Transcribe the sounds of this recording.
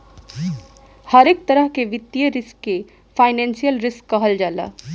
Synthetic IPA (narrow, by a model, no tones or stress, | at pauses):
hɐɾeːk̚t̪ɐɾəɦkeʋɪt̪ːjəɾɪskːe | faːɪnɛ̃ːnsijəlɾɪskːaɦɐld͡ʒaːla̰ː